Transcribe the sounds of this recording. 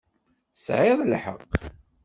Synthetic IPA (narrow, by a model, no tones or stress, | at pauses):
sʕɪðˤlħə̰qː